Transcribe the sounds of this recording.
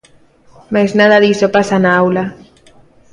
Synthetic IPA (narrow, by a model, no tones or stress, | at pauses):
majznaðaðisopasanaawla